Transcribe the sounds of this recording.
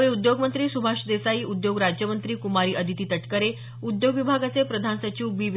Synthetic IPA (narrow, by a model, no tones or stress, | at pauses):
eud̪joɡmənt̪ɾiːsubʱaʂd̪esaiːʔud̪joɡɾad͡ʑjəmənt̪ɾiːkumaɾiːʔəd̪ʱit̪iːt̪əʈkəɾe | ud̪joɡʋibʱaɡat͡sepɾəd̪ʱansət͡ɕiwbiːʋ